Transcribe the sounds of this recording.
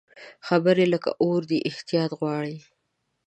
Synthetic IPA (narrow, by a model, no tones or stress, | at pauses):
xabəɾeləka̰ʔoɾd̪əʔɪht̪ijɑt̪ɣwɑɽi